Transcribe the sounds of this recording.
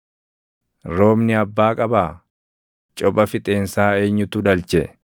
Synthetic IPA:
ɾo̞ːmnɪɐbːaːkʼɐbaː | t͡ʃʼɔpʼɐfɪt̪ʼeːnsaːe̞ːɲːʊt̪ʊd̪ɐlt͡ʃɛ

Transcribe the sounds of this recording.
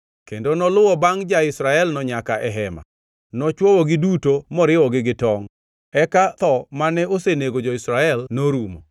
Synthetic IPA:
kendonɔlʊwɔbaŋd͡ʒaɪsɾaɛlnɔɲakaʔɛɦɛma̰ | nɔt͡ʃwɔwɔɡɪdutomɔɾɪwɔɡɪɡɪtɔŋ | ɛkat̪ɔmanɛoseneɡod͡ʒɔɪsɾaɛlnoɾumo

